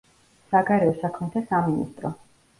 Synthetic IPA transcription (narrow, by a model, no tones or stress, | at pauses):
saɡaɾɛɔsakʰmɛt̪ʰasaminḭst̪ʼɾɔ